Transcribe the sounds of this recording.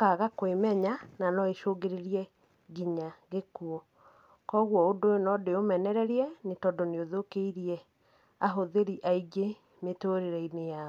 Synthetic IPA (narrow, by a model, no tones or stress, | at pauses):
kaɣakwemɛɲananɔeʃoɡeɾeɾiɛ | ɡiɲaɣekuɔ | kɔɣwɔodoenɔdeomɛnɛɾɛɾiɛnetɔdoneoðokeiɾiɛ | aɦoðeɾiʔaiɡe | metoːɾeɾɛineja